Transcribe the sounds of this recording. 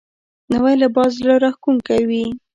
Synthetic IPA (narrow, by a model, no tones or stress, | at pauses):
nawajlabɑzloɾaxkuŋkawi